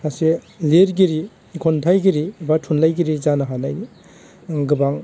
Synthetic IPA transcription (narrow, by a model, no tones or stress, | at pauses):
ase | leɾɡiɾiː | kʰontʰajɡiɾibatʰunlajɡiɾizanaɦanajni | ɡɯbaŋ